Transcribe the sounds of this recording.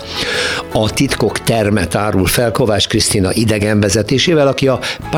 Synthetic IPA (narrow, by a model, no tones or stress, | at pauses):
ɒt̪it̪ko̞kt̪ɛrmɛt̪aːɾulfɛlko̞vaːt͡ʃkrist̪inɒ̰ʔid̪ɛɡɛɱvɛzɛt̪eːʃeːvɛlɒkiɒp